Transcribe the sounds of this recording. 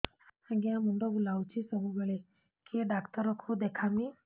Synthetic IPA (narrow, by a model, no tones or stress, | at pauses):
aɡjãmuɳɖobulawt͡ɕisəɦuɡəɭe | kʰeɖakt̪əɾɔkʰud̪ekʰami